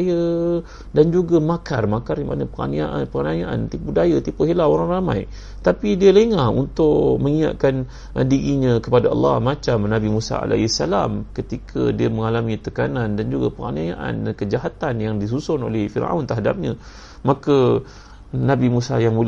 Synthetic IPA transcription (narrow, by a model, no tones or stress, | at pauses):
jə | dand͡ʒuɡamakarmakarjama̰napəɾa̰naʔpəanajaʔa̰nt̪ipudajat̪ipuɦilaoɾaŋrama̰j | t̪apidiəleŋahṵnt̪ʊʔməŋia̰ʔ̚kan | ʔdiɾiɲãkəpadaɑ̰lːɑ̰hmat͡ʃamnãbimusa̰a̰lʔa̰sa̰la̰mkət̪ikʰa̰diəməŋalamit̪əkanandand͡ʒuɡapəɾa̰najaʔa̰nkəd͡ʒaɦat̪anjaŋdis̬usʊno̰lɛhfiɾa̰wnt̪əɦada̰p̚ɲã | maka | nãbimusa̰jaŋbul